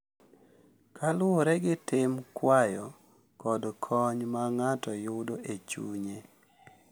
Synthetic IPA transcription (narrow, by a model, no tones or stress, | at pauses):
kʰalʊoɾɛɡɪtɪmkwajɔ | kɔdkʰɔɲmaŋatɔjʊdoʔet͡ʃṵɲe